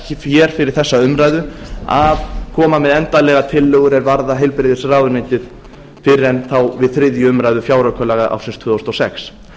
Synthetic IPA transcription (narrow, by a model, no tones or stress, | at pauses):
cɪfjɛɾ̥fɪɾɪɾ̥θɛsːaʏmɾajðʏaðkʰɔːmamɛðɛnt̪alɛɣat̪ʰɪlːœɣʏɾɛɾvaɾðaɦejlpɾɪðɪsraːðʏnɪjt̪ɪð | fɪɾɾɛnθawvɪðθɾɪðjʏʏmɾajðʏfjaːwɾœkʰœlɛɣaðʔa̰wfsɪnst̪ʰvʏːðowst̪ɔsɛ̰ks